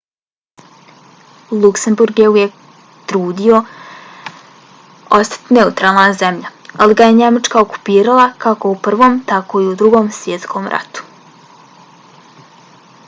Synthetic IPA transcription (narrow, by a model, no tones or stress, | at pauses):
lˠukse̞mbuɾɡjeuje̞k | t̪ɾuːd̪io̞ | o̞st̪ḁt̪ine̞ut̪ɾaːlˠnaze̞mʎaaliɡaje̞ɲe̞mat͡ʃkaoku̥piːɾalˠakako̞upr̩ʋo̞mt̪ako̞iud̪ɾuɡo̞ːmsʋje̞t̪skʰo̞mɾʔa̰t̪u̥